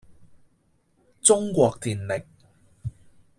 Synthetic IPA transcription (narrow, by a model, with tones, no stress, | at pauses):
t͡sʊ˥ŋkʷɔː˧k̚t̪ʰiː˨˩nlɪ˨k̚